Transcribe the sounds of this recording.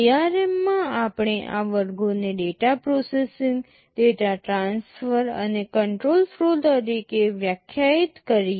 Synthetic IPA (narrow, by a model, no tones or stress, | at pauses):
iaɾemːãapɳ̃eʔaʋəɾɡoneɖeʈapɾosesiŋɡ | ɖeʈaʈɾãnsfəɾə̰nekəɳʈɾolfɾolt̪əɾikeʋjəkʰjait̪kəɾi